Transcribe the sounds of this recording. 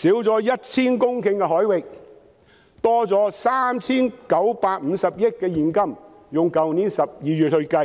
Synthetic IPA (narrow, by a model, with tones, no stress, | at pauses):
siː˨˥wt͡sɔː˨˥jɐ˥t̚t͡sʰiː˥nkʊ˥ŋkɪ˧ŋkɛː˧ɦɔː˨˥jwɪ˨k̚ | t̪ɔː˥t͡sɔː˨˥saː˥mt͡sʰiː˥nkɐ˨˥wpaː˧k̚m̩ː˨˧˥sɐ˨p̚jɪ˥t̚kːɛː˧jiː˨˩nkɐ˥m | jʊ˨ŋkɐ˨wniː˨˥nsɐ˨p̚jiː˨˧jy˨t̚hɵ˧ɥkɐ˧j